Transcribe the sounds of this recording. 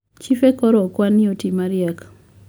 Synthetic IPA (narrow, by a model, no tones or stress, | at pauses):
t͡ʃifekɔɾɔkwaniotimaɾjak